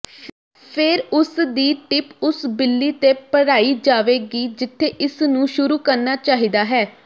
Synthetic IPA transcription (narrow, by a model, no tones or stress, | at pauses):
pʰɪɾʊsd̪iːʈɪpʊsbɪlːiːt̪eːpəɽaːiːd͡ʒaːʋeːɡiːd͡ʒɪt̪ʰːeːʔɪsnũːʃʊɾuːkəɾnaːt͡ʃaːɦiːd̪aːɦɛː